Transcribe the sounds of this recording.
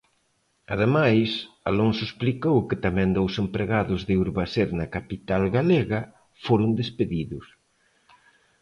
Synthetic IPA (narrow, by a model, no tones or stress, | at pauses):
ɐðemajs | alonsʊsplikowkɪt̪amɛ̃nd̪owsempɾeɣaðʊzðɪuɾβaseɾnɐkapit̪alɣaleɣɐ | foɾʊnd̪espeðiðʊs